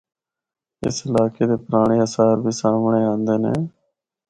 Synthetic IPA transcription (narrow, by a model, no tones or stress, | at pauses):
ɪ̰səlaːkeːd̪eːpʊɾaːɳ̃iːəsaːɾbʱiːsaːmɳeːãːnd̪eːnḛː